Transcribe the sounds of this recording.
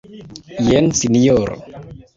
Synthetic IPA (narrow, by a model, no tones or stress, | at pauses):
jɛnsiniɔɾ